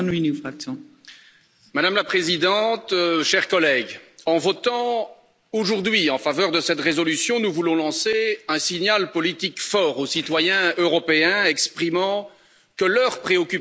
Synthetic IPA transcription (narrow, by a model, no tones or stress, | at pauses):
nuinufχaksɔ̃ | mad̪amlapχezid̪ɑ̃t̪ʃɛʁkɔlɛɡɑ̃vɔt̪ɑ̃ | oʒuʁd̪ɥiɑ̃favœʁd̪əsɛt̪ʁezɔlysjɔ̃nuvulɔ̃lɑ̃seɛ̃siɲalpɔlit̪ikfɔːʁosit̪wajɛ̃øʁɔpeɛ̃ɛkspχimɑ̃ | kəlœʁpχeɔkʲy